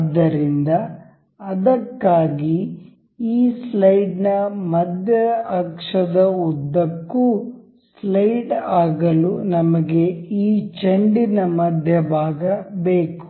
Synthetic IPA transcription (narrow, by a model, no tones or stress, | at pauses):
d̪ːɐɾind̪ɐː | d̪ɐkːaːɡi | iːslɐjɖnɐmɐd̪ʱjɐɐkʂɐd̪ɐud̪ːɐkːu | slɐjɖaːɡɐlunɐmɐɡe̞iːt͡ʃeɳɖinɐmɐd̪ʱjɐbʱaːɡɐbeːku̥